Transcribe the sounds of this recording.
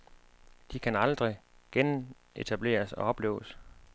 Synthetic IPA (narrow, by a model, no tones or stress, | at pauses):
d̥ikʰænɑ̈ld̥ʁiɡ̥en | e̝t͡sʰæb̥le̝̰ːɐsɒ̽ɒ̽b̥le̝̰ːʊs